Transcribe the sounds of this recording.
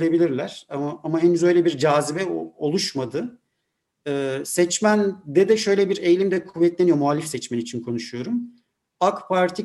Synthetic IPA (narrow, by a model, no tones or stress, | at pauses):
lʲebilʲiɾlʲæɾ̥amaamaɦenyzø̞jlʲɛbiɾd͡ʒaːzibɛo̞lˠuʃmad̪ɯ | ɯːsɛt͡ʃmænd̪ɛd̪ɛʃø̞jlʲɛbiɾe̞jlʲimd̪ɛkʰuvːɛt̪lʲenijomualʲːifsɛt͡ʃmɛnit͡ʃʰinkʰo̞nuʃujo̞ɾum | akpʰaɾt̪ʰi